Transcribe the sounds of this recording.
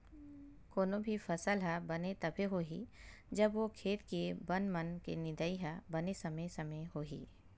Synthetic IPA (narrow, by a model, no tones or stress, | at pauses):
koːnobʱifʰɐsəlɦɐbɐnet̪ɐbʱeɦoːɦḭd͡ʒɐbʋokʰeːt̪kebɐnmənkḛnɪ̃d̪əiɦabɐnesɐməsɐmeɦoːɦḭː